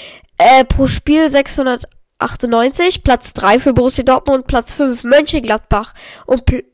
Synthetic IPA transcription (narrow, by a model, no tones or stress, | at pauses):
ʔɛːpʁ̥oːʃpiːlzɛkshʊndɐt | ʔa̰χtʊnnɔʏnt͡sɪçpl̥at͡sd̥ʁaɪfyːɐbʊʁʊsjadɔɐtmʊnt̚pʰl̥at͡sfʏnfmœnçəɡlat̚b̥aχʔʊntp